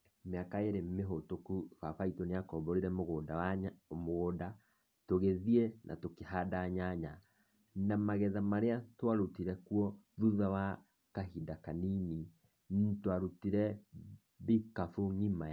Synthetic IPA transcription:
meakaeɾemeɦotokufafaitoneakɔːmbɔɾiɾɛmoɣodamoɣoda | toɣeðienʔa̰tokehadaɲaɲa | namaɣɛðamaɾeatwaɾutiɾɛkuɔðuðawa | kaɦidakanini | ntwaɾutiɾɛ | βikafuɲima

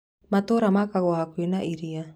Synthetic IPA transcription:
mat̪oɾamakaɡoɦakuinaʔiɾia

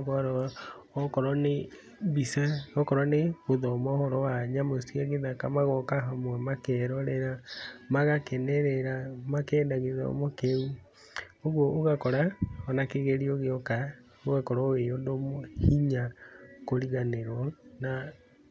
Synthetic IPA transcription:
ɣɔɾɔɔkɔɾɔne | bisaɣɔkɔɾɔneβoðɔmɔhɔɾɔwaɲamosiaɣeðakamaɣɔkaɦamwɛmakɛɾɔɾɛɾamaɣakɛnɛɾɛɾamakɛndaɣeða̰o̰mokeu | oɣwoʔoɣakɔɾaɔnakeɣeɾioɣeɔka | oɣakɔɾɔeondomohiɲakoɾiɣaneɾwɔna

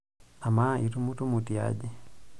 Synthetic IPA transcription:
amaʔitumutumutia̰ɟɛ

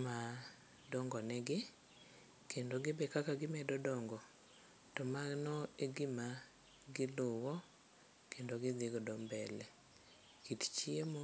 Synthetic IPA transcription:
ma | dɔŋɡɔnɛɡɪ | kʰendoɡɪbɛkakaɡɪmɛdɔdɔŋɡɔ | tɔmaɡnɔeɡima | ɡɪlʊwɔ | kendoɡɪd̪ɪɡɔdɔmbɛlɛ | kitt͡ʃiemo

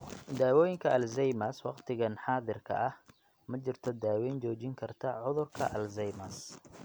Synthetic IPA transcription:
d̪aːwɔːjɪŋkʰɐʔɐlzɛjmɐswɑqt̪ʰɪɣɐnħɑːðɪrkʰɐ̰ʔɐh | mɐt͡ʃɪrt̪ʰɔd̪aːwɛːnt͡ʃɔːt͡ʃɪŋkʰɐrt̪ʰɐʕʊðʊrkʰɐʔɐlzɛjmɐs

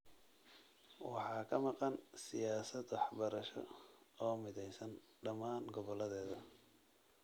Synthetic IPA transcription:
wɑħɑːkʰɐmɑqɑnsɪjaːsɐd̪wɑħbɐɾɐʃɔ̰ɔːmɪðɛjsɐn | ɖɐmaːnɡɔβɔlɐðɛːðɐ

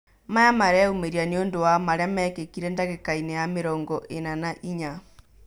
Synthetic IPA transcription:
majamaɾɛumeɾianiondowamaɾeamɛːkekiɾendaɣekainejameɾɔːŋɡɔʔenanaʔiɲa

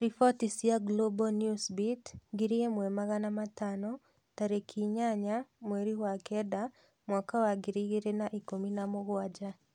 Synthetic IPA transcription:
ɾifɔtisiaɡlobɔnjusbitɡɪɾiemwɛmaɣanamatanɔ | taɾekʰiɲaɲamweɾiwakɛda | mwakawaɡɪɾiɡiɾenaʔikominamɔɣwad͡ʒa

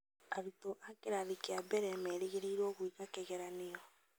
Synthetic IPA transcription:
aɾitoʔakeɾaðekeabɛɾɛmɛɾeɣeɾeɾwɔɣwiɣakɛɣɛɾanejɔ

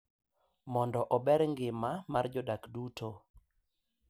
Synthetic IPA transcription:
mɔndɔʔɔbɛɾŋɡɪmamard͡ʒɔdakdutʰo

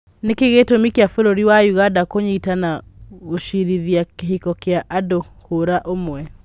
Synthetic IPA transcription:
nekeɣetomikeafoɾoɾiwajuɣadakoɲeitanaɣoʃiɾiðiakehikɔkeaʔado | hoɾaʔomwɛ

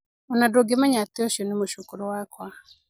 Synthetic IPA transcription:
ɔnadoɡemaɲateɔʃjɔnimoʃukuɾowakwa

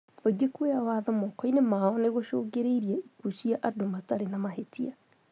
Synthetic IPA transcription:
baɡekueawaðɔmɔkɔinemaɔneɣoʃoːɣeɾeiɾiaikuʃiaʔadomataɾenamaɦetia

